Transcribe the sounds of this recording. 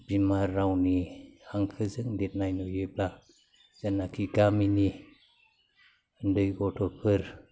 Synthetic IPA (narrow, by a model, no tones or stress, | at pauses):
bimaɾːawnihaŋkʰɯzɯŋdet̚najnɔjɯp̚la | z̥anːakʰiɡamini | ɯndɯjɡɔtʰɔpʰɯɾ